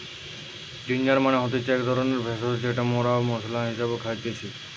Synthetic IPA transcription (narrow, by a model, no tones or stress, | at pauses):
d͡ʑind͡ʒaɾmaneɦɔt̪it͡ʃɛkd̪ʱɔɾɔneɾbʱesɔsd͡ʑeʈamoɾamɔslaɦisabekʰajt̪iet͡ʃʰi